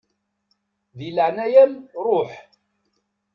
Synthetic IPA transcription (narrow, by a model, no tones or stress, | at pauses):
ðiləʕnæjælɾˤʊħ